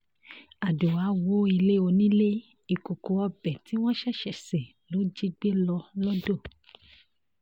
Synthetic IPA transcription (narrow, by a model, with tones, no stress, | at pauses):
a˨du˨wa˨˦wo˦i˧le˦o˧nĩ˦le˦ | i˨ku˨ko˨˦ɔ˧bɛ˨ti˨˦w̃ɔ̃˦ʃɛ˦˨ʃɛ˨sɛ˨ | lo˨˦d͡ʒi˦ɡ͡be˦lɔ˧lɔ˦do˦˨